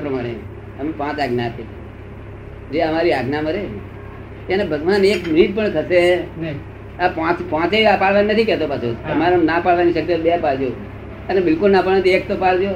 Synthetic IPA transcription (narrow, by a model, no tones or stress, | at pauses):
pɾəmaɽ̃e | əmepãt͡ʃaɡnat̪ʰet | d͡ʒeəmaɾiaɡnaməɾe | t̪anebʱəɡʋanekmɾit̪̚pəɳt̪ʰəse | apãt͡ʃpãt͡ʃeapaɽʋaninət̪ʰikɛt̪opasʰoəmaɾonapaɭʋaniʃək̚t̪ebeapaɭd͡ʒjo | ənebɪlkulnapaɭʋẽt̪ek̚t̪opaɭd͡ʒo